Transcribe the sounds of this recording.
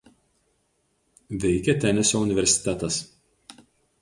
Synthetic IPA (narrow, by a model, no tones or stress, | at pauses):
ʋʲɛɪkʲɛt̪ʲɛnʲɛsʲoʊnʲɪʋʲɛɾʲsʲɪ̥t̪ʲɛt̪ɐs